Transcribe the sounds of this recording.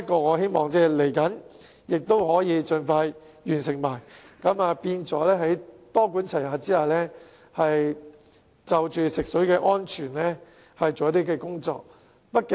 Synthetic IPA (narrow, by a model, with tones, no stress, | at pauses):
ɐ˥t̚kːɔː˧ŋɔː˨˧he˥jmɔː˨˩ŋt͡sɛː˧le˨˩jkɐ˨˥n | jɪ˨k̚t̪o˥whɔː˨˥jiː˨˧t͡ʃɵ˧nfaː˧j | jyː˨˩nsɪ˨˩ŋmaː˨˩j | kɐ˨˥maː˧piː˧nt͡sɔː˨˥lɛː˥ɦɐ˨˥jt̪ɔː˥kuː˨˥nt͡sʰɐ˨˩jhaː˨˧t͡siː˥haː˨lɛː˥ | hɐ˨j | t͡sɐ˨wt͡ʃyː˨sɪ˨k̚sɵ˨˥ɥkɛː˧ʔɔː˥nt͡ʃʰyː˨˩nlɛː˥ | hɐ˨jt͡so˨wjɐ˥t̪iː˥kɛː˧kʊ˥ŋt͡sɔ̰ː˨k̚ | pɐ˥t̚kɪ˨˧